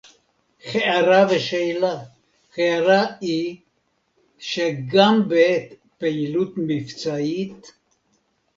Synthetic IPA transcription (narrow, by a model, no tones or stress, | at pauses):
χeaɾaveʃeila | χeaɾai | ʃeɡambeet̪ | peilut̪mift͡sait̪